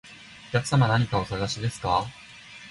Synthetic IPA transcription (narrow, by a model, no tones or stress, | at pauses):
o̞kʲakɯ̟̥samanaɲ̟ikao̞saɡaɕid̪e̞sɨ̥ka